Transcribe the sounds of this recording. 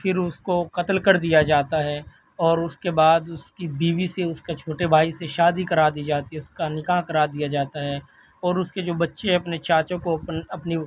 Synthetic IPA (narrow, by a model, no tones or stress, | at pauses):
fʰɪɾʊskoqɐt̪əlkɐɾd̪ijad͡ʒaːt̪aɦɛː | ɔːɾʊskebaːd̪ʊskibiːʋiseʊskat͡ʃʰoːʈebʱaːiseʃaːd̪ikɐɾaːɾd̪iːd͡ʒaːt̪iɦɛʊskanɪkaːɦkɐɾaːɾd̪ijad͡ʒaːt̪aɦɛː | ɔːɾʊsked͡ʒoːbɐtːʃeɦɛ̃ɐpnet͡ʃaːt͡ʃõkoɐpni